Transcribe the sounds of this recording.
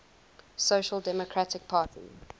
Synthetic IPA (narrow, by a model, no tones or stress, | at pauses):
soʃəlˠdɛmɔkʰɹatɪk̚pʰaːtʰḭ